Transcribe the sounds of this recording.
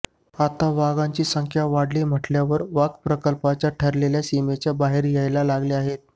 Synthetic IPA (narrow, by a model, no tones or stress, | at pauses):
at̪aʋaɡãɲt͡ɕiːsəŋkʰjaʋaɽliːm̤əʈljaʋəɾʋaɡpɾəkəlpat͡ɕjaʈʰəɾleljasimet͡ɕjabaɦeɾjajlalaɡliaɦet̪̚